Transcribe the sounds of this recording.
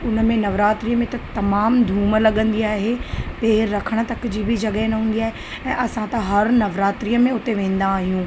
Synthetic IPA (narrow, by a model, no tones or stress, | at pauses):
ʊnə̆mẽnɐʋɾaːt̪ɾijəmẽt̪ɐt̪ɐmaːmd̪ʱuːməlɐɠə̃nd̪iaːɦepeːɾːɐkʰəɽ̃ə̆t̪ɐkɪd͡ʑiːbʱɪd͡ʑɐɠəenɐɦũːn̆d̪iaːɦe | ɛ̃ːʔɐsãt̪ɐɦɐɾnɐʋɾaːt̪ɾijəmẽʊt̪eʋẽːn̆d̪aːɦijũː